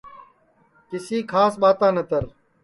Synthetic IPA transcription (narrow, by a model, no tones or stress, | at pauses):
kɪsiːkʰaːsɓaːt̪ãːnət̪əɾ